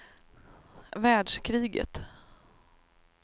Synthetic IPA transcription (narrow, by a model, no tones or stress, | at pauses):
væːɖʂkʰɾiːɡə̰t̪